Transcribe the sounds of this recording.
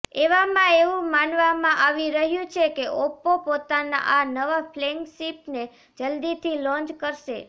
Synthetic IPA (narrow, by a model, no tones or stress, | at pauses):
eʋamãeʋũmanʋamãʔaʋiɾəɦjũt͡ʃʰekeʔopːopot̪ana̰ʔanəʋafʰleŋɡsipne | d͡ʒəld̪it̪ʰilɔ̃nt͡ʃkəɾʃḛ